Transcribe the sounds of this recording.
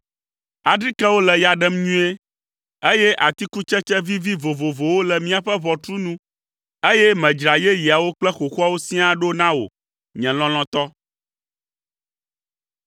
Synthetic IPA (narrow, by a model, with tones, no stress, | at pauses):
a˨ɖɾi˦kɛ˦wo˦lɛ˨ja˨ɖɛ˦mɲũ˦e˦ | e˦jɛ˦ʔa˨t̪i˦ku˦t͡ʃɛ˦t͡ʃɛ˦vi˦vi˦vo˨vo˨vo˨wo˦lɛ˨mĩ˦a˨ɸɛ˦βɔ˨t̪ɾu˦nũ˦ | e˦jɛ˦mɛ̃˨d͡ʒɾa˨jɛ˦ji˨a˨wo˦k͡plɛ˦xo˨xu˦a˦wo˦sĩ˦a˦ɖo˦nã˦wo̰˨ | ɲɛ̃˨lɔ̃˦l̃ɔ̃˦t̪ɔ˦